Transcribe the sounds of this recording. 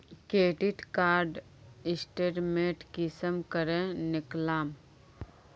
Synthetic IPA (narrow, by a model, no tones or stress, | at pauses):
keːʈiʈkaːɾɖ | ɪsʈeɾmeːʈkisəmkəɾẽnɪklaːm